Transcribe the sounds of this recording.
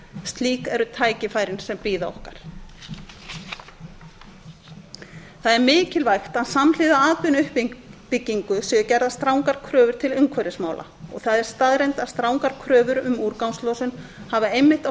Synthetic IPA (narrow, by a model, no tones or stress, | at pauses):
st̪liːkɛɾʏt̪ʰaːjcɪfaːjɾɪnsɛmpiːða̰ɔ̰hkaɾ̥ | θaðɛɾmɪːcɪlvajxt̪aðsaml̥ɪːðaaːt̪ʏnʏhpipɪcːiŋkʏsɛɣacɛɾðast̪ɾaːwŋkaɾ̥kʰɾœːvʏɾ̥t̪ʰɪlʏŋkʰvœɾɪsmaːwlʔa̰ | ɔ̰ɣθaðɛɾ̥st̪aðɾejnt̪ast̪ɾaːwŋkaɾ̥kʰɾœːvʏɾʏmuɾkawnslɔːwsʏnhavaejmːɪht̪a